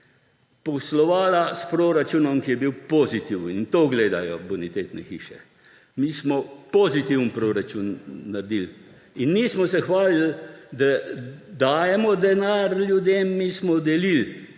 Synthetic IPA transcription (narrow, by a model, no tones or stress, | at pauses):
pɔslɔʋaːlaspɾoɾat͡ʃunɔmkijɛbiwpozit̪iwənint̪oɡleːd̪ajɔbunit̪eːt̪nɛ̰xḭːʃɛ̰ | mismɔpozit̪iwnpɾoɾat͡ʃunːaɾd̪il | inːismɔsɛxʋaːlild̪ad̪aːjɛmɔd̪ɛnaɾlʲjud̪eːmːismɔd̪ɛlil